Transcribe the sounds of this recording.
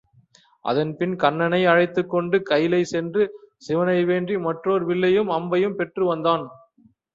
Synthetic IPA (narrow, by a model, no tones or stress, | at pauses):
ʔɐ̰ðɐnpɪnkɐnːɐnɐɪɐɻɐɪt̪ːɯkːɔɳɖɯkɐjlɐɪsɛndrɯsɪʋɐnɐɪʋeːndrimɐʈroːɾʋɪɭːɐjɯmɐmbɐjɯmpɛʈrɯʋɐnd̪aːn